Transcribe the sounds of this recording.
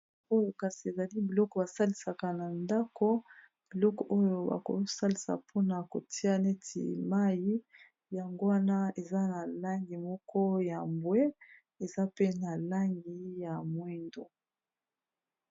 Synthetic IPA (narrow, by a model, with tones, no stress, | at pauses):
o˦jo˨ka˨si˨e˨za˨li˦bi˨lɔ˦kɔ˨ba˨sa˦li˨sa˨ka˨na˨nda˦kɔ˦ | b̥i˨lɔ˦kɔ˨ʔo˦jo˦ba̰˨ko̰˨sa˦li˨sa̰˨pʰo˦na˨ko˨tʰi˦a˦ne˦tʰḭ˨ma˦ji˦ | ja˨ŋɡo˦wa˦na˦e˨za˦na˨la˦ŋɡi˨mɔ˦kʰɔ˦ja˨mbwe˦ | e˨za˦pe˦na˨la˦ŋɡi˨ja˨mwi˦ndo˨